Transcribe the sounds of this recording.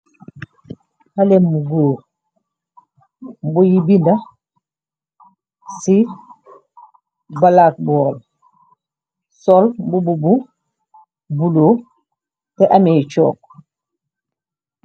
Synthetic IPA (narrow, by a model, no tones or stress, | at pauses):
halemːuɡoː | mbujibinda | si | balaːk̚bɔːl | solmbububu | buloː | teʔamet͡ʃɔ̰ːk̚